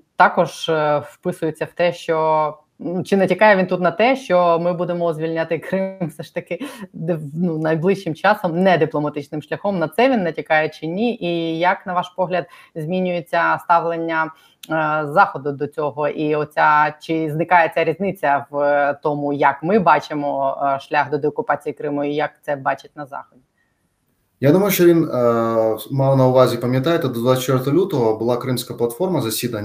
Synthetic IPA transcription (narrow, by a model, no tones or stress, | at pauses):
t̪ɑkɔʒfpɪsʊjet͡sʲːɐwt̪ɛʃt͡ʃɔ | t͡ʃɪnɛtʲikɑjɛʋʲint̪ut̪nɐt̪ɛʃt͡ʃɔmɪbud̪emɔzʲʋʲilʲnʲat̪ɪkɾɪmfsɛʃt̪ɐkɪ | nunɐjblˠɪʃːɪmt͡ʃɑsɔmnɛd̪ɪplˠɔmɐt̪ɪt͡ʃnɪmʃlʲɐxɔmnɐt̪sɛʋʲinːɛtʲikɑjɛt͡ʃɪnʲiʔijɐknɐʋɑʃpɔɦlʲɐd̪̚ | zʲmʲinʲʊjet͡sʲːɐst̪ɑʋlˠenʲːɐ | zɑxɔd̪ʊd̪ɔt͡sʲɔɦɔʔiɔt͡sʲat͡ʃɪznɪkɑjet͡sʲaɾʲizʲnɪt͡sʲːɐʋt̪ɔmʊjɐkmɪbɑt͡ʃɪmɔʃlʲaɣd̪ɔd̪eɔkʊpɑt͡sʲijikɾɪmʊijɐk̚t̪sɛbɑt͡ʃɪt̚ʲnɐzɑ̰xɔdʲi | jad̪umɔjʊʃɔʋʲin | mɑwnɐʊʋazʲipɐmʲjɐt̪ajet̪ɪd̪ɔd̪ʋasʲt͡ʃːʲɛrt̪ɔlʲut̪ɔɦɔbʊlˠɑkɾɪmsʲkɐplˠɐt̪fɔrmɐzɐsʲid̪ɐnʲ